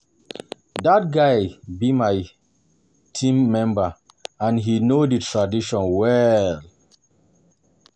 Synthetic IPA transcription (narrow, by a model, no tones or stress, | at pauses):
dat̚ɡaɪbimaɪ | tʰĩmːɛ̃mba | ãnɦinoditʰɹadiʃɔ̃nwɛl